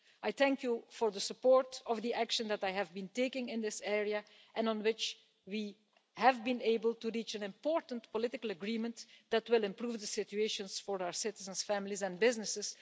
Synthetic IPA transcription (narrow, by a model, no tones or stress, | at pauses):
ʔajθæ̃ŋkjufɔɹðəsəpɔɹtɔvd̪iʔækʃə̃nd̪ætajævbĩnteɪkɪ̃ŋɪ̃nd̪ɪsɛɹiə | ʔɛ̃nə̃nwɪt͡ʃ | wiː | hævbĩneɪbəlˠtuɹiːt͡ʃæ̃nɪ̃mpɔːɹtəntpɔlɪtɪkəlˠəɡɹĩmə̃ntd̪̥ætwɪlˠɪ̃mpɹuːvd̪əsɪtueɪʃə̃nsfɔɹaə˞sɪtɪzə̃nsfæmɪlizɛ̃nbɪznɪsɪs